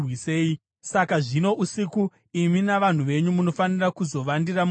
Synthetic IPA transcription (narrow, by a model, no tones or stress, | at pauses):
wise̞ːi | sakaʐino̞ʔusiku | iminaʋan̤uʋe̞ɲumuno̞fanirakuzo̞ʋandiram